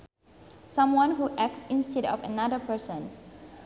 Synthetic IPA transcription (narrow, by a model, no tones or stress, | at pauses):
sãmwãnɦuʔɛk̚sĩnstɛdɔ̰fənadəpəsə̃n